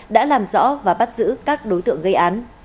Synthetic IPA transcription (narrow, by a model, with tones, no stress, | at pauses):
ɗa̰ː˧˥laː˨˩mzɔ̰˧˥vaː˨˩ɓa˦˥t̚zɨ̰˧˥kaː˦˥k̚ɗo˨˦jt̪ɨ̰˧˨əŋɣə˧jʔaː˨˦n